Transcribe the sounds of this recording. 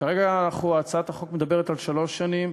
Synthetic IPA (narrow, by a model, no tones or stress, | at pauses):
kaʁeɡanaχuat͡saat̪aχo̞kmed̪abeʁet̪alʃalo̞ʃːanim